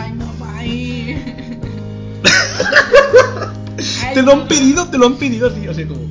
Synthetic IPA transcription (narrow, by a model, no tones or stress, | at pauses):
t̪e̞loampeðiðot̪eloampeðiðoasios̬eno